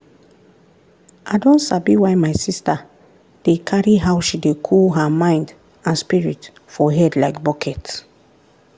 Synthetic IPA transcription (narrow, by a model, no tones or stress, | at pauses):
ʔaɪdõntsabiwajmaɪsista | d̥ekʰaɹiɦawʃidekʰulɦamãɪ̃nd | ãnspiɹit | fɔɦɛdlaɪkbɔkʰɛt